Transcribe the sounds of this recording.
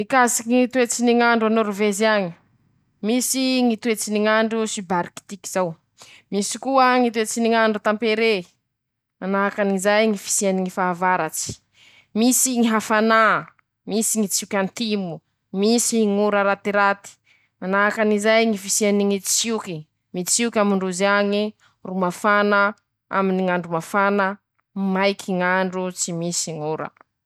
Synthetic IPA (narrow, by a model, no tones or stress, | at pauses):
ikasikiŋit̪uet͡siniŋaɳɖ͡ʐanoɾuvezaŋi | misiŋit̪uet͡siniŋaɳɖ͡ʐusibaɾiki̥t̪ikizaw | misi̥kuəŋit̪uet͡siniŋaɳɖ͡ʐut̪ampeɾe | manaɦakanizajŋifi̥sianiŋifaavaɾat͡si̥ | misiŋiɦafana | misiŋit͡siukʲant̪imu | misiŋuɾəɾat̪iɾat̪i̥ | manaɦakanizajŋifisianiŋit͡siuki | mit͡siukʲamiɳɖ͡ʐuzaŋi | rumafanə | a̰miniŋaɳɖ͡ʐumafanə | majkʰiŋaɳɖ͡ʐut͡simisiŋuɾə̰